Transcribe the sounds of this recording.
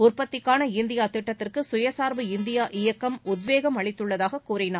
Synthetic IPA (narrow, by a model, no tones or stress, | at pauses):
ʊrpɐt̪ːɪkːaːnɐɪnd̪ɪjaːt̪ɪʈːɐt̪ːɪrkɯsʊjɐsaːɾʋɯɪnd̪ɪjaːʔɪjɐkːɐmʊd̪ʋeːɣɐmɐɭɪt̪ːɯɭːɐðaːɣɐkːuːrɪnaːɾ